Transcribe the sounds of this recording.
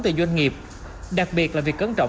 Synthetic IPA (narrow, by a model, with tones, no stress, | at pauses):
t̪ɨ˨˩zwa˧jŋ̟ŋi˨˩əp̚ | ɗa˨˩k̚ɓi˨˩ət̚laː˨˩vi˨˩əkːəː˨˦nt͡ɕɔ̰˧˨w